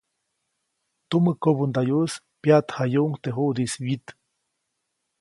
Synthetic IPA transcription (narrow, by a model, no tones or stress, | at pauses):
t̪umɨkobund̪ajus | pjat̪hajuʔŋt̪eɦuʔd̪iswit̪